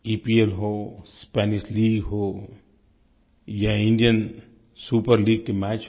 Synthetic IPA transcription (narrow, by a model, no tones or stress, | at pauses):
iːpielɦoːspɛːnɪʃliːɡɦoː | jaɪ̃ɳɖijən | suːpəɾliːɡ̚kemɛːt͡ʃ